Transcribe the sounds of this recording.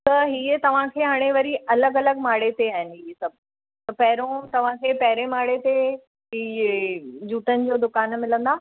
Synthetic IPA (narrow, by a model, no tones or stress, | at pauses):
t̪ɐɦiːət̪ɐʋ̤ãkʰeːɦaːɽ̃eʋɐɾiʔɐləɡɐləɡmaːɽet̪eaːɦɪnɪ̆ɦiːesɐb̚ʱ | t̪ɐpɐɦɪɾõt̪ɐʋ̤ãkʰeːpɐɦɪɾemaːɽet̪e | ɦiː | d͡ʑuːʈənɪ̆d͡ʑoːd̪ʊkaːnmɪlə̃nd̪aː